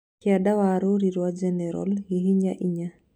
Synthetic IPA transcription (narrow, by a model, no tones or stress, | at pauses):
kiadawaɾoɾiɾwad͡ʒɛnɛɾɔ̰lhiɦiɲaʔiɲa